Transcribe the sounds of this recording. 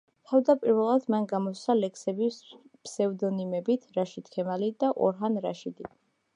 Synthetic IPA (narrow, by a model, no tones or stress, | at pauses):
t̪ʰavd̪apʼiɾvɛlˠad̪̥manɡamɔsalɛkʰsɛbispʰsɛvd̪ɔnimɛbit̪ʰɾaʃit̪̚ʰkʰɛmalid̪aʔɔ̰ɾɦanɾa̰ʃid̪i